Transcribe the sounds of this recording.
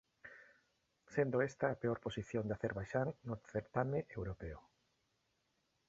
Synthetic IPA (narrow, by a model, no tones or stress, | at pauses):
send̪oest̪ɐːpeoɾposiθjond̪aθeɾβajʃaŋnoθeɾt̪amẽʔewɾopeo